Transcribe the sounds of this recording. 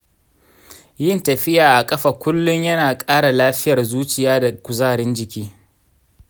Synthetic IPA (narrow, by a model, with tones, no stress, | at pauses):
jɪ˦˨ntɐ˨ɸɪ˦jaː˨ʔa˨kʼɐ˦ɸɐ˨kʷʊ˦lːʊ˦ɲjɐ˦naː˨kʼaː˦ɽa˨laː˦ɸɪ˦jɐ˨rzuː˦t͡ʃɪ˨jaː˦da˨kʷʊ˨zaː˦˨ɾɪ˦nd͡ʒɪ˨kʲiː˦